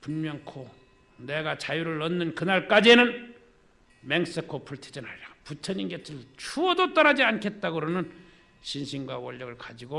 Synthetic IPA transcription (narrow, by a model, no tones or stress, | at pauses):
punmjʌŋkʰo | neɡat͡ɕajuɾɯɭːʌnːɯnkɯnaɭk͈ad͡ʑienɯn | meŋs͈ekʰopʰuɭtʰe̥d͡ʑʌnaɾaput͡ɕʰʌɲinɡetʰɯɭt͡ɕʰuʌdot͈ʌnad͡ʑiankʰe̞t̚t͈aɡɯɾonɯn | ɕʰinɕʰinɡwawʌʎːʌɡɯɭkad͡ʑiɡo